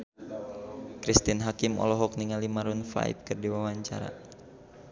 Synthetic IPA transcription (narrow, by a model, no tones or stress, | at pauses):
kɾist̪inɦakimɔ̰lɔɦɔk̚niŋalimaɾunfla̰j̰p̚kɨrdiwawaɲt͡ʃa̰ɾa̰